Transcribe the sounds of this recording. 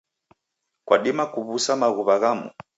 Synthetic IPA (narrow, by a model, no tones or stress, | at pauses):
kwʔaɗimakuβusamaɣuβaɣamṵ